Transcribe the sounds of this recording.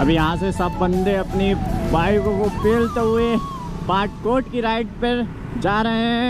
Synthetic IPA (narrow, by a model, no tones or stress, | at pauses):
ɐbʱijɐɦãsesɐbːɐ̃nd̪eɐpnibaːikokopeːlt̪eɦʊe | baːʈ̚koːʈkiɾaːɪʈ̚pɐɾ | d͡ʒaːɾɐɦeɛ̃